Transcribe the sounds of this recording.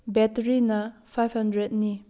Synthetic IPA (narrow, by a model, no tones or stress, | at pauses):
bɛtɾinɐpʰajbhɐndɾet̚ni